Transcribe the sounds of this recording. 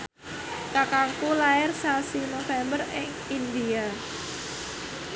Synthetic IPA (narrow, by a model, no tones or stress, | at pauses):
kakaŋkulaɪrsasinofɛmbərɪŋ | ind̪ia